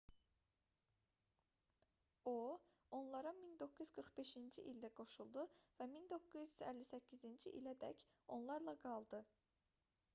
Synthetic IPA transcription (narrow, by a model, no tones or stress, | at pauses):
o | o̞nlˠɑɾɑmind̪o̞kːuzɡɯɾχbe̞ʃind͡ʒiʔild̪æɡo̞ʃulˠd̪uvæmind̪o̞kːuzy̥zælːisæcʰːizind͡ʒiʔḭlæd̪æ̰c | o̞nlˠɑɾlˠɑɡɑlˠd̪ɯ